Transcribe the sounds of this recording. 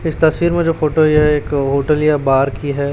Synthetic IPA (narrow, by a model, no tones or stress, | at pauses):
ɪst̪ɐswiːɾmẽd͡ʒoːfoːʈojeɦɛeːkɦoːʈəljabaːɾkiɦɛː